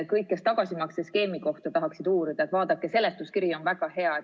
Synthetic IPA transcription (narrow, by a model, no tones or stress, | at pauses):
kɤjkːest̪ɑɡ̥ɑsimɑkseske̞ːmiko̞ht̪ut̪ɑɦɑksid̪̥uːɾid̪ɑet̪vɑːd̪ɑkːˑese̞let̪ːuskiɾio̞nvæɡ̥ɑhe̞ɑe